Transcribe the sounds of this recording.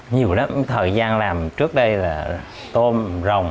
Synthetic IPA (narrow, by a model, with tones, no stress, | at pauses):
ɲi˨˩əwlaː˨˦mt̪ʰəː˨˩jzaː˧nlaː˨˩mt͡ɕɨ˦˥ək̚ɗə˧jlaː˨˩ | t̪o˧mzə˨˩wŋ͡m